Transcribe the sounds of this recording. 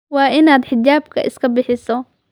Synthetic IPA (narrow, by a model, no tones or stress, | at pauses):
wɑːʔɪnaːd̪ħɪt͡ʃaːb̚kʰɐ̰ʔɪ̰skʰɐbɪħɪsɔ